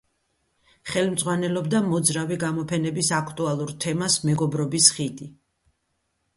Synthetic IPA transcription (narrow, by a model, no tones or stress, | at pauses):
χɛlmd̪zʼʁwanɛlɔbd̪amɔd̪zɾaviɡamɔpʰɛnɛbisakʰt̪ʼualˠuɾt̪ʰɛmasmɛɡɔbɾɔbisχid̪ʼi